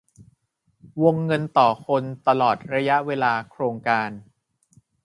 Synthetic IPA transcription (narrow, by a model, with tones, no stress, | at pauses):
wo˧ŋːɤ˧nt̪ɔː˨˩kʰo˧nt̪a˧lɔː˨˩t̪̚ɾa˧ja˦˥ʔweː˧laː˧kʰɾoː˧ŋkaː˧n